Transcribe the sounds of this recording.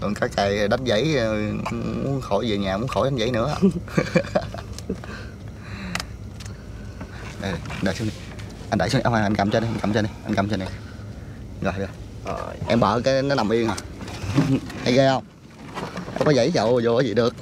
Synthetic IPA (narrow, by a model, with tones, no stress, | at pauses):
t̪ɨ̰˨˩ŋkaː˦˥k̚ːa˨˩jɗa˨˦˥nzə̰˧˥˦j | mṵ˨˧˦ənxo˧˩˦jzi˨˩ɲaː˨˩mu˨˦ənxo˧˩˦jɗa˨˦nzə̰˧˥˦jnɨ̰˧˥ə˧ | ɗa˧˩ɗʔnɗa̰ː˨˩su˨˦ni˨˩ | ʔnɗa̰˨˧˨su˦n˧ʔwha˧˩˨ʔnka˨˩mt͡ɕɔ˧ni˧ʔa˧nka˨˩mt͡ɕɔ˧ni˨˩jʔa˧nka˨˩mt͡ɕɔ˧na˨˩˨ | ɣɔ˨˩jɗɨ˧ə˨ | ʔɛ˧mɓə̰ː˧˨kaː˨˦jnɔ˨˦na˨˩mʔi˧ənhɔ˨˩ | ha˧jɣə˧hə˧wŋ͡m | ʔɛ̰˧mkɔ˨˦zə̰˧˥˦jt͡ɕə̰˧˨wzu˨˩a˨˦zḭ˨ɗɨ˨˩ək̚